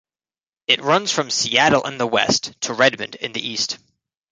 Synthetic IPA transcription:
ɨt̚ɹʌ̃nz̥fɹʌ̃msiæɾl̩ˠə̰̃nðəwɛ̰stʰəɹɛd̚mɨ̃ndɨ̰̃nðḭʔist

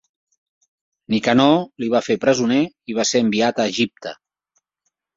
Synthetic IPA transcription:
nikanɔliβ̞afepɾəzune | iβ̞aseəmbiat̪əːʒip̚t̪ə̰

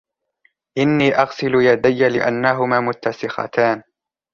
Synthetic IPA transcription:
ʔɪnːiːʔɑɣsɪlʊjad̪ajːalɪʔanːaɦʊmaːmʊt̪ːasɪxɑ̰t̪aːn

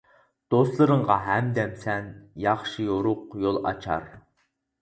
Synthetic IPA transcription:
d̪̥oslˠɨɾɨɴʁɑɦɛmd̪ɛmsɛnjɑχʃijoɾʊqjolˠɑ̰t͡ʃʰɑ̰ɾ

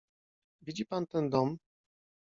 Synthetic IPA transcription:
vʲid͡ʑipant̪ɛnd̪ɔm

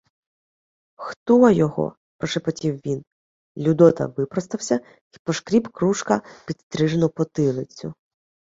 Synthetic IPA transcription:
xt̪ɔjɔɦɔ̰ | pɔʃepɔtʲiwʋʲin | lʲud̪ɔt̪ɐ̰ʋɪpɾɔst̪ɐwsʲɐ | pɔʃkɾʲibkɾuʃkɐpʲit̪st̪ɾɪʒenɔpɔt̪ɪlˠɪt͡sʲːʊ

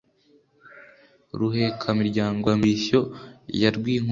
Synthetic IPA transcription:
ɾuhe̞kʰamiɾɟaːŋɡoamiso̞jaɾɡwiːŋ

